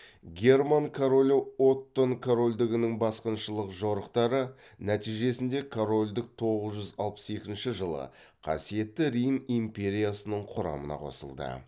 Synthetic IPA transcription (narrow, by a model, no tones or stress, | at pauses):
ɡʲe̞rmaŋkʰoɾolʲoo̞t̪ːo̞ŋkʰoɾo̞lʲd̪ɪɡʲɪnɪŋbɑsqənʃəlˠəqʒo̞ɾəqt̪ɑɾə | næt̪ijʒe̞sɪnd̪e̞kʰoɾo̞lʲd̪ɪk̚t̪ʰo̞ʁəzʒʏzɑ̰lˠpə̥se̞kʲɪnʃɪʒəlˠə̰ | qʰɑ̰sije̞t̪ːɪɾijmimpʲe̞ɾʲijasənəɴqʰʊɾɑ̰mə̰nɑ̰qʰo̞̰sə̰lˠd̪ə̰